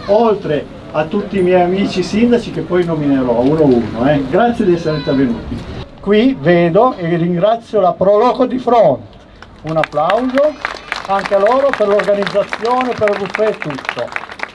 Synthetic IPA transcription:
olt̪ɾe | at̪ːut̪ːiːmjɛjamiːt͡ʃisind̪at͡ʃikepːɔjnomineɾɔunouːnoɛɡɾat̪sjed̪iɛsːeɾeint̪eɾvenuːt̪ikwivɛːd̪oʔeliriŋɡɾat̪sːjolapɾɔlɔkod̪ifɾɔnt̪ | unapːlawzoaŋkealoːɾoperlorɡanid̪zːat̪sːjoːnepeɾrufet̪ːut̪ːo̰

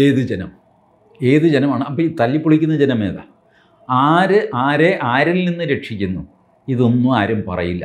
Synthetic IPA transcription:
eːðɨd͡ʑenɐm | e̞ːðɨd͡ʑenɐmaːɳɨɐpːoit̪ɐlːipːuɭikʲːunːɐd͡ʑenɐmḛːða̰ | aːɾɨʔaːɾeʔaːɾilninːɨɾe̞ʈʂikʲːunːu | iðo̞nːuaːɾɐmpɐ̰rɐ̰jilːɐ̰

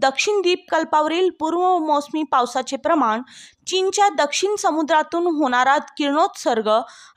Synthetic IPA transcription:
d̪əkʂiɳd̪iːp̚kəlpaʋɾiːlpuːɾʋəmosmipawsat͡sepɾəmaɳt͡ɕint͡ɕjad̪əkʂiɳsəmud̪ɾat̪uːnɦoɽ̃aɾat̪kiɾɳot̪səɾɡə

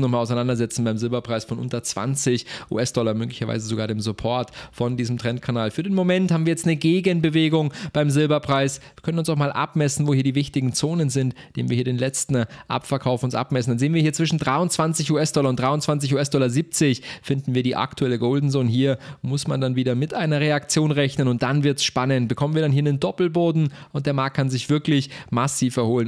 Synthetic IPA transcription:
nɔχmalaʊsaɪnandɐzɛt͡sn̩baɪmzɪlbɐpʁ̥aɪsfɔnʔʊntɐt͡sv̥a̰nt͡sɪçʔṵːʔɛsd̥ɔlɐmøːklɪçɐva̰ɪzəzoɡaːɐɾeːmzʊpʰɔɐtfɔndiːzəmtʁ̥ɛnt̚kʰanaːlfyːɐɾeːnmomɛnthaːbmviɐjɛt͡stnəɡeːɡənbəveːɡʊŋb̥aɪmzɪlbɐpʁ̥aɪsvɐkʰœnənʊnsaʊxmaːlʔa̰pmɛsn̩voːhiːɐdiːvɪçtɪɡŋ̩t͡soːnənzɪntd̥ḛːmviːhiːɐɾeːnlɛt͡stn̩ʔa̰pfɛɐkʰaʊfʊnsʔa̰pmɛsn̩danzeːənviːhiːɐt͡sv̥ɪʃn̩dʁaɪʊntt͡sv̥ant͡sɪçuːɛsd̥ɔlɐʊntd̥ʁ̥aɪʊnt͡sv̥ant͡sɪçuːɛsd̥ɔlɐziːp̚t͡sɪçfɪndn̩viːɐdiːʔa̰ktʰuɛləɡoːldn̩zoːnɦiːɐmʊsmandanviːdɐmɪtʔaɪnɐʁeakt͡sjoːnʁɛçnənʊnt̚d̥anvɪɐtsʃpanənt̚b̥əkʰɔmən̩viːɐɾanhiːɐnəndɔpl̩boːdn̩ʊnt̚d̥eːɐmaɐk̚t̚kʰanzɪçv̥ɪɐklɪçmasiːfɛɐhoːlən

